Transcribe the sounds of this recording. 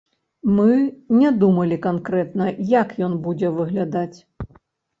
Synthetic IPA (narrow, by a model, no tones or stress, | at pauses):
mɨnʲɛd̪umɐlʲikankɾɛt̪nɐjakjɔnbud͡zʲɛvɨɣlʲad̪at͡sʲ